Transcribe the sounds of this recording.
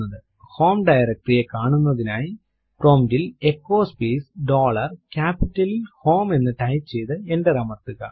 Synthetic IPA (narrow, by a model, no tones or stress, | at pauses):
ɐðɨ | ho̞ːmɖɐjɐɾɐk̚ʈrijekːaːɳunːɐðinaːji | proːmdilekːoːspiːsɖoːɭɐrkʲaːpitːɐlilho̞ːme̞nːɨʈɐjt͡ɕejðɨenɖɐɾɐmɐrt̪ːɯɣɐ̰